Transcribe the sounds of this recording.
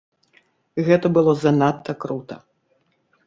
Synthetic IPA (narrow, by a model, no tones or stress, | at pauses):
ɣɛt̪ɐbɨlˠɔzɐnat̪ːɐkɾut̪ɐ